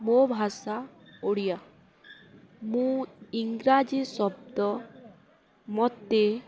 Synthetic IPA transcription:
mobʱasaoɽija | mũiŋɡɾad͡ʒisɔb̚d̪ɔ | mɔt̪ːe

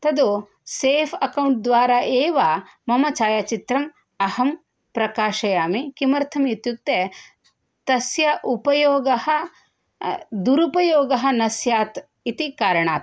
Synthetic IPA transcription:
t̪ɐd̪u | seːpʰɐkɐwɳʈ̚d̪ʋaːɾaːʔeːʋa | mɐmɐt͡ʃaːjat͡ʃit̪ɾɐm | ɐhɐm | pɾɐkaːʃɐjaːmikimɐɾt̪ʰɐmjit̪juk̚t̪e | t̪ɐsjɐʔupɐjoːɡɐhɐ | d̪uɾupɐjoːɡɐɦɐ̆nɐsjaːt̪ | it̪ikaːɾɐɳaːt̪

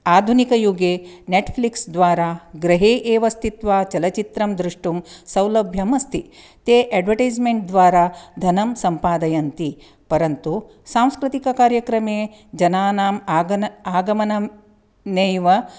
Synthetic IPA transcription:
aːd̪ʱunikɐjuɡeːneʈpʰliksd̪ʋaːɾaːɡɾɐɦeːʔeːʋɐst̪ʰit̪ʋaːt͡ʃɐlɐt͡ʃit̪ɾɐmd̪ɾuʂʈumsɐwlɐbʱjɐmɐst̪ʰi | t̪eːʔɛːɖʋɐʈɐjd͡ʒmeɳʈ̚d̪ʋaːɾaːd̪ʱɐnɐmsɐmpaːd̪ɐjɐnt̪i | pɐɾɐnt̪u | saːmskɾit̪ikɐkaːɾjɐkɾɐmeː | d͡ʒɐnaːnaːmaːɡɐaːɡɐmɐnɐ | nejʋɐ

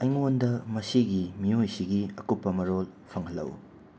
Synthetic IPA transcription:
ɐjŋondɐmɐsiɡimiojsiɡiɐkupːɐmɐɾolpʰɐŋhɐlːɐ̰w

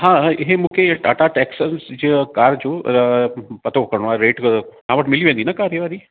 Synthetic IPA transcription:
ɦãɦemũːkʰeʈɐʈaʈɛksənsd͡ʑikaːɾd͡ʑo | pɐt̪okɐɾɽ̃oaɾeːʈsãʋəʈmɪliʋẽːnd̪inakaːɾjəʋaːɾi

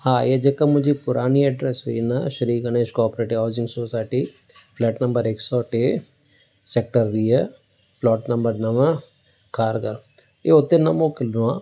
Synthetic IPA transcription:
hãːjed͡ʒɐkamʊd͡ʒipʊɾʔaːniɛɖɾesoinɐʃɐɾiːkɐneʃkɔːpɾeːʈiɦɔːzɪ̃ŋɡsoːsaːɪʈi | pʰlɛːʈnɐmbəɾeːksɔːʈeː | seːk̚ʈəɾʋiːe | plɔːʈnɐmbəɾnɐʋə | kaːɾɡɐɾ | jeɦot̪enɐmoːkɪluãː

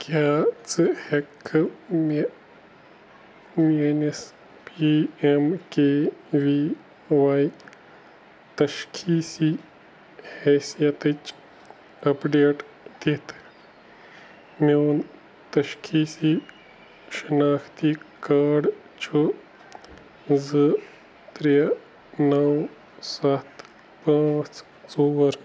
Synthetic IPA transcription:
kjaːt͡sɨhekʰːɨme | menes | piemkeːʋi | ʋaːj | t̪ɐʃkʰiːsi | hɛːsijɐt̪ɨt͡ʃ | ɐpɖeːʈ | d̪it̪ʰ | mewn | t̪ɐʃkʰiːsi | ʃɐnaːkʰt̪ikaːɖ | t͡ʃʰu | zɨ | t̪ɾe | nɐw | sɐt̪ | pãːt͡s | t͡soːwɐɾ

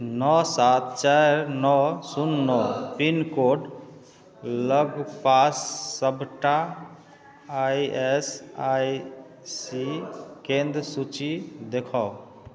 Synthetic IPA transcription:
nɔsat̪̚ʰt͡ʃaɾnɔsunːɔpinkoɖ | ləɡpasːəbʱʈa | jesaj | sikẽnd̪ɾəsut͡ʃid̪ekʰɔo

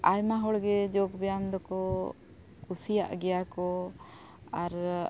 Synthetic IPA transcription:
ajmaɦɔɽɡɛd͡ʒɔɡbɛjamd̪ɔkɔ | kusija̰ʔɡɛjakɔ | aɾ

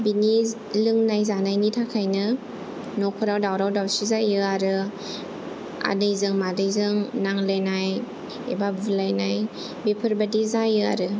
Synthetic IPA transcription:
bini | lɯŋnajzanajnitʰakʰajnɯ | nokʰuɾawdawɾawdawsizajɯaɾɯ | a̰dɯjzɯŋmadɯjzɯŋnaŋlajnaj | ḛbabɯlajnaj | bipʰɯɾbadizajɯa̰ɾɯ

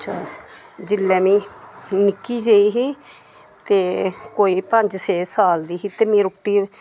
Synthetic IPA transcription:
tːʃʰaː | d͡ʒɪlːɛːmĩːnɪkːiːd͡ʒeiːɦiː | t̪eːkoːiːpəɲd͡ʒseːsaːld̪iːɦiːt̪eːmĩːɾʊʈːiː

